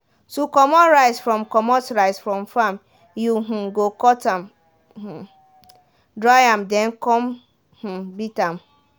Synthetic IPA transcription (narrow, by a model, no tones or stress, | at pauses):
tukɔmɔɾaɪsfɾɔ̃mkɔmɔtɾaɪsfɾɔ̃mfam | juɦ̩ɡokɔtam | h̩ | dɾajamdɛnkɔm | h̩bitam̩